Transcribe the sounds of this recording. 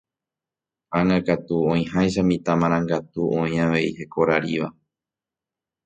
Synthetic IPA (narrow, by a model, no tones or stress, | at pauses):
ãŋakat̪uõĩhajʃ̬amĩt̪amãɾ̃ãŋɡat̪uʔõĩaʋe̞ihe̞ko̞ɾaɾiʋa